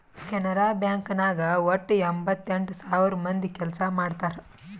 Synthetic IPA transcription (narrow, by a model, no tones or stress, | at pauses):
kʲɛnɐɾaːbjaːŋkɐnaːɡɐwoʈːembɐt̪ːeɳʈusaːʋiɾɐmɐnd̪ikɛlɐsɐmaːɖt̪aːɾe